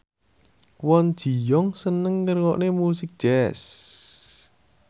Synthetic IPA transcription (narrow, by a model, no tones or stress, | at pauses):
wɔnd̥ʒ̥i̤jɔŋsənəŋːərŋɔʔnemusɪk̚d̥ʒ̥ɛs